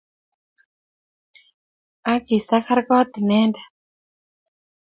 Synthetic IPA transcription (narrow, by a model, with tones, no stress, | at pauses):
a˦ki˨sa˦ka˦ɾka˦a˦t̪i˨nɛ˦nda˨